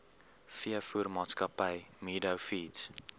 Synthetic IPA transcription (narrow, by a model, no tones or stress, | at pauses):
fiəfuːrmɑːtskəpəjmiːdəwfiːts